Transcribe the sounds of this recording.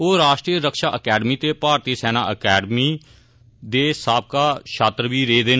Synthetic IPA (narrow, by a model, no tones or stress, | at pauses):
oːɾaːʃʈɾiːəɾəkʃaːʔəkɛːɖmiːt̪eːpaːɾt̪iːsɛːnaːʔəkɛːɖmiː | d̪eːsaːb̚kaːʃʰaːt̪ɾəʋiːɾeːd̪eːn